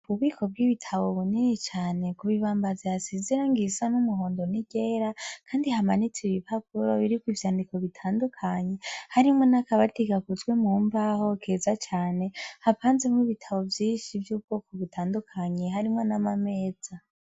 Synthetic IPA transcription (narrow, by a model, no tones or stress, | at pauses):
βuβɡiːkʰo̞b̚ɡiβitʰaβo̞βuninit͡ʃaːne̞kuβiβaːmbaziasiziɾaŋɡisanumuɦo̞ːndo̞niɟ̥e̞ːɾakʰaːndihamanit͡siβipakuɾoβiɾikwivjaːndiko̞βitʰaːndukʰaɲe̞haɾimŋo̞nakaβatiɡakuzɡwe̞muːmbaho̞kʰeːzat͡ʃaːne̞hapaːnzemŋiβitʰaβo̞vjiːnʃivjuːbɡoːkʰoβitʰaːndukʰaɲeɦaɾimŋonamame̞ːz̥a